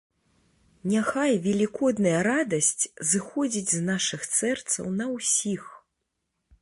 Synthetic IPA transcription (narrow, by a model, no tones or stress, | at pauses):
nʲaxajvʲɛlʲikɔd̪nɐjɐɾad̪ɐsʲt͡sʲzɨxɔd͡zʲid͡zʲznaʂɨxt̪sɛrt̪sɐ̰wnɐwsʲix